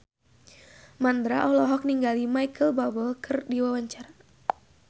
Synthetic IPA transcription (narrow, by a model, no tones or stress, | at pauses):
mand̪ɾaʔɔlɔɦɔk̚niŋɡalimajkʰəlbabəlkʰɨrdiwawaɲt͡ʃaɾa